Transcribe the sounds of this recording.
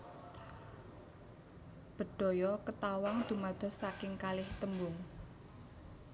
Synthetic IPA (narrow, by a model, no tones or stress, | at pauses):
b̥ə̤ɖ̪̥ɔ̤jɔkət̪awaŋd̪̥ṳmad̪̥ɔ̤sakɪŋkalɪht̪əmbʊŋ